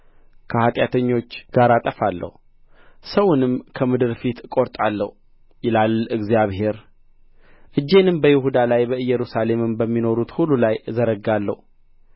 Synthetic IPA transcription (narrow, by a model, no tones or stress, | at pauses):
kʰəhat̪ʼjat̪ʰəɲːo̞t͡ʃːɡ̥aɾat̪ʼəfalːə̰hu | səwʊnɨmkʰəmɨd̪ɨɾfit̪kʼo̞ɾt̪ʼalːəh | jɪlalɨɡzijaβhe̞ɾ | ʔɨd͡ʒːe̞nɨmbəjɪhud̪alajbəɨjːɛɾusale̞mɨmbəmːino̞ɾut̪hulːulajzəɾəɡːalːə̰hu